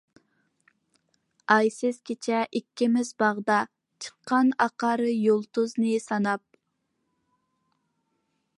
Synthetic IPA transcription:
ɑjsɪz̥kʲʰet͡ʃʰɛʔikʲːɪmɪzbɑʁd̪ɑ | t͡ʃʰə̥qʰːɑnɑqɑɾɨjolˠt̪uznɨsɑnɑp̚

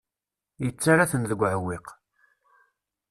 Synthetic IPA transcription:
jət͡sːaɾaθənðəɡʷʕəwːɪq

